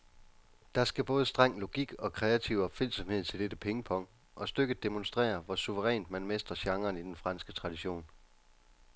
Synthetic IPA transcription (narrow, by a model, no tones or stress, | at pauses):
d̥ɑ̈sɡ̥æb̥ɔ̽ːð̞ˠəsd̥ʁɑŋ̰lo̝ɡ̥iɡ̥ɒ̽kʰʁɛæt͡sʰiʊɒ̽b̥fel̰sɒ̽mhe̝ð̞̰ˠt͡sʰe̝ld̥edəpʰeŋəpʰɒ̽ŋ̰d | ʔɒ̽sd̥øɡ̥ð̩ˠd̥e̝monsd̥ʁɛ̰ːɐʋɒsuʋəʁɛ̰ːnd̥mænmesd̥ʁɐɕɑ̈ŋɐːnid̥enfʁɑ̈nsɡ̥ət͡sʰʁɑ̈d̥iɕo̝̰ːn